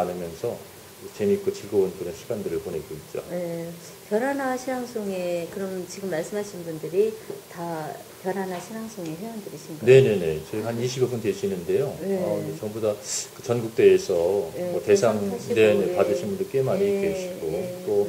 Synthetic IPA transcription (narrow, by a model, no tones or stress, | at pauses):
anɯmjʌnsʰʌ | t͡ɕemik͈ot͡ɕiɭɡʌonpuneɕʰiɡandɯɾɯɭpone̞ɡoit̚t͡ɕ͈o̰e | pjʌɾɦanaɕʰinaŋs͈ʰoŋe̞kɯɾʌmt͡ɕiɡɯmːaɭs͈ɯmɦaɕʰinbundɯɾita | pjʌɾanaɕʰinaŋs͈ʰoŋe̞ɸjʌandɯɾiɕʰinɡane̞ne̞ne̞t͡ɕehaniɕʰibobuntwe̞ɕʰinɯnde̞joʌet͡ɕʌŋmbodakɯt͡ɕʌnɡuk̚t͈e̞ːsʰʌmʌte̞sʰaŋne̞nepadɯɭɕʰinbundɯɭk͈emaɲik͈eɕʰiɡot͈o